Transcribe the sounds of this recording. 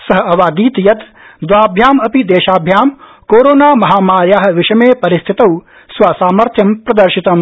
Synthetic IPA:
sɐɦɐɐʋaːd̪iːt̪jɐt̪ | d̪ʋaːbʱjaːmɐpid̪eːʃaːbʱjaːm | koːɾoːnaːmɐɦaːmaːɾjaːɦɐ̆ʋɪʃɐmeːpɐɾɪst̪ʰit̪ɐw | sʋaːsaːmɐɾt̪ʰjɐmpɾɐd̪ɐɾʃit̪ɐm

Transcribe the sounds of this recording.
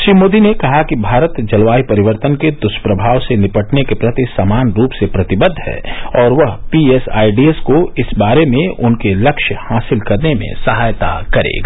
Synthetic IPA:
ʃɾiːmoːd̪inekɐɦakibʱaːɾət̪d͡ʒɐlʋaːipɐɾɪʋəɾt̪ənked̪ʊʃpɾɐbʱaːʋsenɪpəʈnekepɾɐt̪isamaːnɾuːpsepɾɐt̪ɪbəd̪ʱɦɛ̰ːɔːɾʋɐɦpiesa̰ːiɖieskoɪsbaːɾemẽʊnkelɐkʃəhaːsɪlkɐɾnemḛ̃sɐɦaːjt̪a̰kɐɾḛːɡa

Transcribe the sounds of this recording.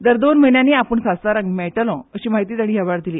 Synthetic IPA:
d̪əɾd̪onm̤əjɳjaniːapəɳsast̪aɾãŋɡmɛʈəlɔ̃əɕiːmaɦit̪iːt̪aɽ̃iːɦɛʋaɾd̪iliː

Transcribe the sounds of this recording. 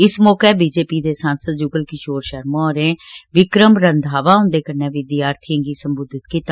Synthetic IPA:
ɪsmɔːkeːbiːd͡ʒeːpiːd̪eːsãːnsəd̪̚d͡ʒʊɡəlkɪt͡ʃoːɾʃəɾmõɔːɾẽːʋɪkɾəmɾənd̪ʱaːʋaːɦʊ̃nd̪eːkəɾnɛ̃ːʋid̪iːaːɾt̪ʰɪjãːŋɡiːsəmbʊd̪ʱɪt̪kiːt̪ːa

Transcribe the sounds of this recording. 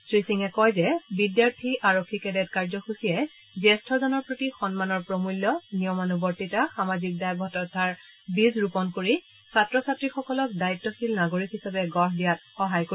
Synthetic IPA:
sɹisiŋɛkɔjzɛbidjaɹtʰiʔaɹokʰːikɛdɛtkaɹzɔxusijɛ | zɛstʰɔzɔnɔɹpɹotixɔnmanɔɹpɹɔmulːɔnijɔmanubɔɹtitaxamazik̚dajbʱɔtɔtʰaɹ | bizɹupɔnkoɹi | satɹɔsatɹixɔkɔlɔk̚daitːɔxilnaɡoɹikhisabɛɡɔɹdijat̚xɔɦajko

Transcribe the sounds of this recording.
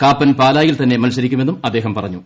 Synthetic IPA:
kaːpːɐnpaːlaːjilt̪ɐnːe̞mɐlsɐɾikʲːumenːumɐd̪ːe̞ːɦɐmpɐrɐɲːu

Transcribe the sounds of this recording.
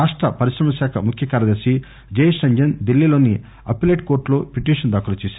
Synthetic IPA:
aːʂʈɾɐpɐɾiʃɾɐmɐʃaːkʰɐ̰mukʰjɐkaːɾɐd̪ɐɾsi | d͡ʒeːjsɐɲd͡ʒɐnd̪ilːiloːni | ɐ̰pileːʈkoːɾʈloːpiʈiːʂɐnd̪aːkɐlɐt͡ʃɛːsa

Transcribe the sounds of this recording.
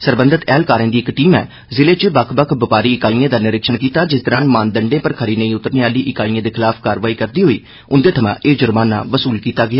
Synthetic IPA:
səɾbənd̪ət̪ɛːlkaːɾẽːd̪iːɪkʈiːmɛ̰ː | zɪleːt͡ʃbəkʰbəkʰbəpaːɾiːɪkaːiːẽːd̪aːnɪɾɪkʃəɳkiːt̪aːd͡ʒɪsd̪əɾãːnmãːnd̪əɳɖẽːpəɾkʰəɾiːnəĩːʊt̪ːəɾneːaːliːʔɪkaːĩːẽːd̪eːkʰɪlaːpʰkaːɾʋaːiːkəɾd̪iːɦoːiː | ʊnd̪eːt̪ʰəmã̰ːʔeːd͡ʒʊɾmaːna̰ːʋəsuːlkiːt̪aːɡɪaː

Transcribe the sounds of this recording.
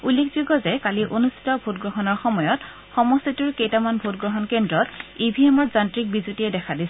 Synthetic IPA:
ulːekʰzuɡɔzɛkaliʔonustʰi̥tɔbʱutɡɹɔɦɔnɔɹxɔmɔjɔt | xɔmɔstʰituɹkejtamanbʱutɡɹɔɦɔnkendɹɔtibʱiemɔɹzantɹik̚bizutiɛdɛkʰadisɛ

